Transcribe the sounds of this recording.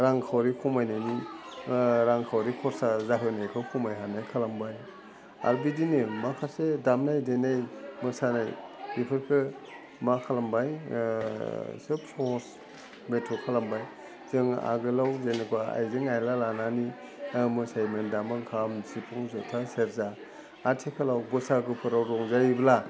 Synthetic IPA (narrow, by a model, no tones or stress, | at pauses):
ɾaŋkʰawɾikʰɔmajnajni | ɾaŋkʰawɾikʰɔɾsazaɦɯnajkʰɯkʰɔmajɦanajkʰalambaj | a̰ɾbidinɯmakʰasedamnajdenajmɯsanajbipʰɯɾkʰɯ | makʰalambaj | sɯpʰɔs | metʰɔkʰalambaj | zɯŋa̰ɡɯlawzenikʰwaa̰jzɯŋajlalanani | mɯsajmendamaŋkʰamzipʰɔŋzɔtʰaseɾzaː | tʰikʰɯlawɡɔsaɡɯpʰɯɾawɾɔŋzajbla